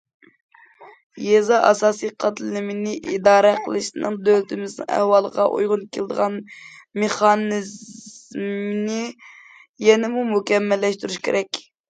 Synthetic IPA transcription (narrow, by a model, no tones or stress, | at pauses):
jezɑʔɑsɑːsijqʰɑt̪llɪmɪnɪʔid̪ɑːɾæqʰəlˠɨʃt̪ɨnɨ̰ŋd̪ølt̪ɪmɪznɨ̰ŋæ̰hwɑlˠəʁɑ̰ʔṵjʁʊnkʲʰelˠd̪əʁɑn | meχɑnɪz | mnɪ | jɛnɪmumukʲɛmːɛlːɛʃt̪yɾuʃkʲʰḛɾʔɛkʲ